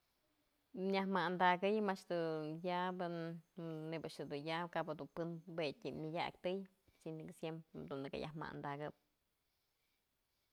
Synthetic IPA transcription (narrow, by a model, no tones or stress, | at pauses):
ɲʲahmand̪aɡɨjmat͡ʃd̪ɨjabɨ | nebaʔʃɨd̪unjakabad̪unpɨnbet̪ʲimʲɨdʲa̰kt̪ɨj | siniksjempɾd̪und̪ɨka̰jʔa̰hma̰ʔnd̪aɡɨp̚